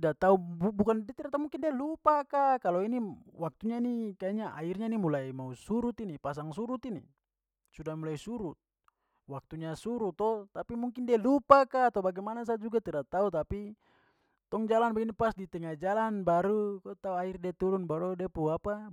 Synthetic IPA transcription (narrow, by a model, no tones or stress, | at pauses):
dat̪aububukandɛt̪iɾat̪aumuŋkindialupakakalɔiniwak̚t̪uɲainikaaɲaʔairɲainimulaimausuɾut̪inipas̬aŋsuɾut̪inḭ | sudahmulaisuɾut̪̚ | wak̚t̪uɲasuɾut̪ɔt̪apimuŋkindialupakaːt̪aubaɡɛmanas̬ad͡ʒuɡat̪iɾat̪aut̪api | t̪ɔŋd͡ʒalanbaɡinipasdit̪ɛŋad͡ʒalanbaɾukɔt̪auairdiat̪uɾunbaɾudɛpuapa